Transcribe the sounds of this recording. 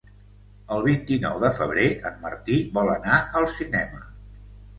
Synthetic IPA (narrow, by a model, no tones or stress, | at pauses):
əlˠβ̞int̪inɔ̰wðəfəβ̞ɾeəmːə̰rt̪iβɔlənaəlˠsinɛmə